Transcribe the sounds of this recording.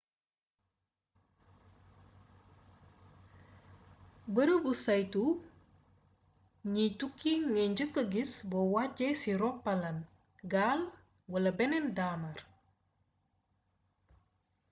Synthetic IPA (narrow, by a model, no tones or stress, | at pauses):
bəɾəbusajtu | ɲitukːiŋɛɲd͡ʒəkəɡisbɔwaɟɛsiɾɔpːalɐn | ɡal | wɐlɐbɛnɛndamɐr